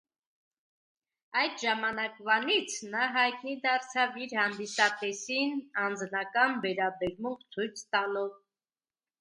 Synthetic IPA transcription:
ɑjd̪ʒɑmɑnɑkvɑnit͡sʰnɑɦɑjt̪nid̪ɑɾt͡sʰɑviɾhɑnd̪isɑp̪ɛsinɑnd͡znɑkɑnvɛɾɑbɛɾmuɴqt͡sʰujt͡sʰst̪ɑnɔv

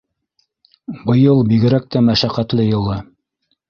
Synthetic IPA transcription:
bɤ̆jɤlˠbiɡɘ̆ɾæk̚t̪æmæʃæqæt̪lɘjɤ̆lˠɤ

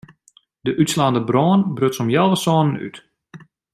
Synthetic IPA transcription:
dəʔytslaːndəbrɔːnbrøtsɔmjɛlˠʋəsɔːnəny̰t

